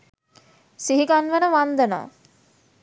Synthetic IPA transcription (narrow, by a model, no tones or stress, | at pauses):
siɦiɡanʋənəʋand̪əna̰ː